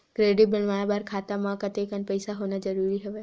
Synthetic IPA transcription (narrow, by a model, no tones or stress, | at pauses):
kɾeːɖibəlʋaːbaːɾkʰaːt̪amãkɐt̪eːkənpəɪsaɦoːnad͡ʒɐɾuːɾiɦɛʋeː